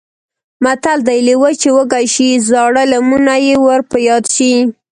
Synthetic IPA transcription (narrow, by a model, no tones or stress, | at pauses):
mat̪ald̪ajlewət͡ʃewəɡaʃizɑɽəlamunajewəɾpəjɑd̪ʃi